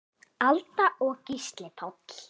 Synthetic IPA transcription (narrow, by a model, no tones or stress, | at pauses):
alt̪aʔɔɣcist̪lɪpʰawt̪l